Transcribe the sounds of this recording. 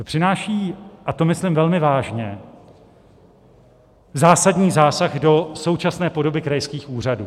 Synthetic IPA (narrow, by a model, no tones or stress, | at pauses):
pr̝̥ɪnaːʃiːʔat̪omɪslɪmvɛlmɪvaːʒɲɛ | zaːsadɲiːzaːsaɣdo̞so̞wt͡ʃasnɛːpo̞do̞bɪkɾajskiːxʔuːr̝adṵː